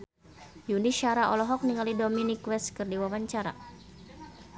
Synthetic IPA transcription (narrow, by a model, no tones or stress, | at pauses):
juniʃaɾaʔɔlɔɦɔk̚niŋalidɔminikwɛskɨrdiwawaɲt͡ʃaɾa̰